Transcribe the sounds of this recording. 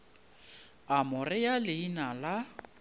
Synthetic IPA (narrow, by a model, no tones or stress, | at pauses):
amʊrɪjalɪinala